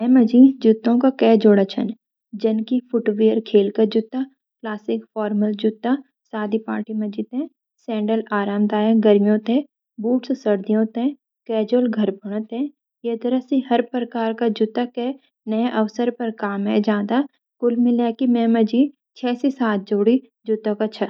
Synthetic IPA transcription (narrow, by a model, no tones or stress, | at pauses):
mɛ̃mɐd͡ʒid͡ʒʊt̪ːõkakɛːd͡ʒoːɽat͡ʃʰə̰n | d͡ʒɐnkipʰʊʈʋiːəɾkʰeːlkɐd͡ʒʊt̪a | klaːsɪkfɔːɾməld͡ʒʊt̪ːa | saːd̪ʱipaːɾʈimɐd͡ʒit̪ẽ | sɛ̃ːɳɖəlaːɾaːmd̪aːjeɡɐɾmijõt̪ẽ | buːʈssɐɾd̪ijõt̪ẽ | kɛːd͡ʒoːlɡʱɐɾbɐɽ̃ət̪ɛ̃ | jed̪ɐɾəsĩɦɐɾpəɾkaːɾkad͡ʒʊt̪akɛ | nɐjʔɐʋsəɾpɐɾkaːmɦɛd͡ʒãːd̪a | kʊlmɪljaːkimɛ̃mɐd͡ʒi | t͡ʃʰɛːsisaːt̪̚ʰd͡ʒoːɽi | d͡ʒʊt̪akɐt͡ʃʰɐ